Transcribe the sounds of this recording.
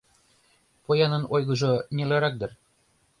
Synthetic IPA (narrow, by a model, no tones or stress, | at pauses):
pojɑnɤ̆nojɣɤ̆ʒŏnʲelɑɾɑk̚d̪ɤ̆r